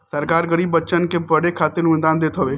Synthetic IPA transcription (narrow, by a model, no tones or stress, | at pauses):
sɐɾkaːɾɡəɾiːbːət͡ʃənkebɐɽekʰaːt̪ɪlʊnd̪aːnd̪eːt̪ʰoʋeː